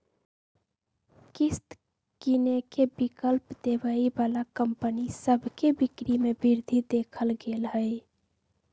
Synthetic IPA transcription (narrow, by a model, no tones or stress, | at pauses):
kist̪ | kinekebikəlpd̪ebəibalakəmpənisəbʱkebikɾimebiɾd̪ʱid̪ekʰəlɡelɦəj